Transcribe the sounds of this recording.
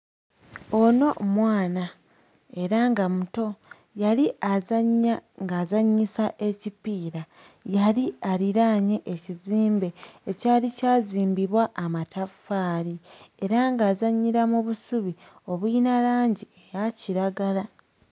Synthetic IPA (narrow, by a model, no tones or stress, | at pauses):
o̞no̞mwaːna | e̞ɾaŋɡamuto̞ | jaliʔazaŋɡaːzaɲːisaʔe̞cipiːɾa | jaliaɾiɾaːɲe̞ʔeciziːmbe̞ːcaːlicaːziːmbiβwaʔːmatʰafːaːɾie̞ɾaŋɡaːzaɲːiɾamuβusuβio̞βwinalaːɲɟiejaciɾaɡala